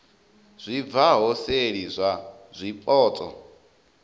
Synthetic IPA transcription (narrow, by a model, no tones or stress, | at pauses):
z̥ʷib̪vaɦɔseɺizʷa | zʷipʼɔːt͡sʼɔ̰